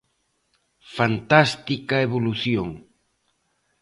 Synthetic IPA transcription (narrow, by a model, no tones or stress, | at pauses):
fant̪ast̪ikaeβoluθjoŋ